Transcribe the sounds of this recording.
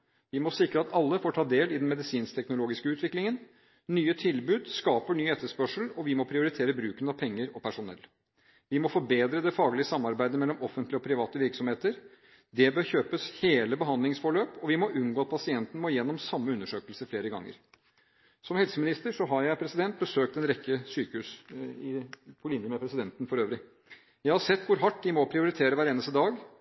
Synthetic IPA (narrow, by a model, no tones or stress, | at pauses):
ʋɪmɔsɪkɾəɑt̪ɑlːəfoːʈʰɑːd̪eːlɪd̪ɛnmɛd̪ɪsiːnst̪ʰɛknʊloːɡɪskəʉːt̪ʋɪklɪŋən | nyːət̪ʰɪlbʉːd̪skɑːpəɳyːɛt̪ːəʂpœʂl̩ɔʋɪmɔpʰɾɪʊɾɪt̪ʰeːɾəbɾʉːkənɑpʰɛŋːəɾɔpʰæʂʊnɛ̰lː | ʋɪmɔfɔbeːd̪ɾəd̪ɛfɑːɡlɪəsɑmːɑɾbæɪd̪əmɛlːɔmɔfənt̪lɪɔpʰɾɪʋɑːt̪əʋɪɾksɔmheːt̪əɾ | d̪ɛbøːɾçøːpəsheːləbəɦɑnd̪lɪŋsfɔɭøːpɔʋɪmɔʔʉnɡoːɑt̪̚pʰɑsɪɛnt̪n̩mɔjɛnːɔmsɑmːəʉnːəʂøːkəlsəfleːɾəɡɑ̰ŋːə̰ɾ | sɔmhɛlsəmɪnɪst̪əʂɔɦɑɾjæɪpʰɾɛsɪd̪ɛnt̪̚bəsøːk̚t̪ɛnɾɛkːəsyːkəhʉːsɪpʰɔlɪnjəmɛpʰɾɛsɪd̪ɛnt̪ən̩fɔɾøːʋɾɪ | jæɪhɑɾsɛt̪ːʋʊɾɦɑʈːd̪ɪmɔpʰɾɪʊɾɪt̪ʰeːɾəʋæːɾeːnəst̪əd̪ɑːɡ